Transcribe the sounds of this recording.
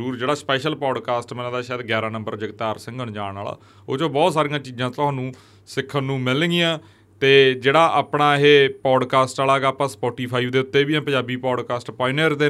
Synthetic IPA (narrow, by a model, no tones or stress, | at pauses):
ɾuːɾd͡ʒeːɽaːspɛːʃəlpɔːɖkaːsʈmɛnãːd̪aːʃaːd̪ɡɛːɾaːnə̃mbəɾd͡ʒɪɡt̪aːɾsɪ̃ŋɡəɳd͡ʒãːa̰ːla̰ː | oːd͡ʒõːbɔːt̪saːɾĩjãːt͡ʃiːd͡ʒãːt̪oaːnũː | sɪkʰːənːũːmɪlɡɪjãː | t̪eːd͡ʒeːɽaːʔaːpɳaːɦeːpɔːɖkaːsʈaːlaːɡaːpãːspɔːʈiːpʰaːiːʋd̪eːʊt̪ːeːbiːãːpəɲd͡ʒaːbiːpɔːɖkaːsʈpaːɪnəɾd̪eː